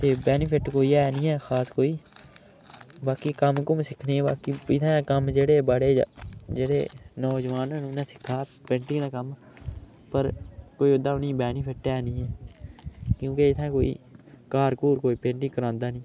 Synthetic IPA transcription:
t̪eːbɛːnɪpʰɪʈkoːiːɛːnĩːɛːxʰaːskoːiː | baːkiːkəmkʊmsɪkʰneːbaːkiɪt̪ʰɛ̃ːkəmd͡ʒeːɽeːbaɽeːd͡ʒeːɽeːnɔːd͡ʒəʋaːnə̃ːnũːnɛ̃ːsɪ̥kʰːaːpẽːɳʈɪ̃ŋɡd̪aːkəm | pəɾkoːiːʊd̪aːnĩːbɛːnɪpʰɪʈɛːnĩːɛː | kjũːkeɪt̪ʰɛ̃ːkoːḭːkaːɾkuːɾkoːiːpẽːɳʈɪ̃ŋkəɾãːnd̪aːnĩː

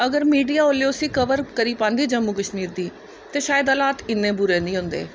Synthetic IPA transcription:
ɐɡəɾmiːɖijaoːlejoːsikɐʋəɾkəɾipãːnd̪iːd͡ʒəmːukəʃmiːɾd̪iː | t̪eʃaːjəd̪əlaːt̪ɪnːẽbʊɾenĩɦʊ̃ːnd̪ḛː

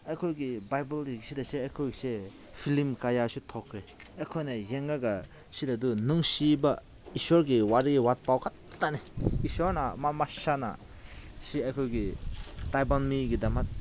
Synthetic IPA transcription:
akʰɔjɡibajbɔldiɡisidaseajkʰɔjɡise | pʰilimkajasutʰɔkʰɾeakʰɔjnajeŋɡaɡa | sidadunuŋsiba | isɔɾɡiwaɾiɡiwat̚pawkʰatːaneisɔɾnamamasana̰ | siakʰɔjɡitajbanmiɡidamat̚

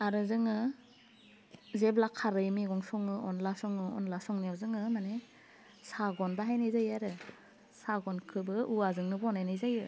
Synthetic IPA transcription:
aɾɯzɯŋɯ | zeblakʰːaɾɯjmiɡɔŋsɔŋɯɔnlasɔŋɯɔ̰nlasɔŋnijawzɯŋɯmane | saɡɔnbaɦajnajzajaɾɯ | saɡɔnkʰɯbɯʔuwazɯŋnɯbɔɔnajnajzajɯ

